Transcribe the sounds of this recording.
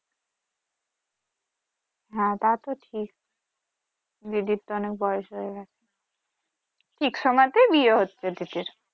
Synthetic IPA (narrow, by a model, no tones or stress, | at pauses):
ɦɛ̃t̪at̪oʈʰik̚ | diʈiɾt̪oɔnek̚bɔjeʃɾoeɡɛt͡ɕʰe | ʈʰikʃɔmɔet̪ebieɦotːɕʰed̪iʈiɾ